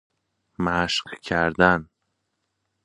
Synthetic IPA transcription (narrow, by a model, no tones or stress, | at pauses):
mæʃqkʰæɾd̪æn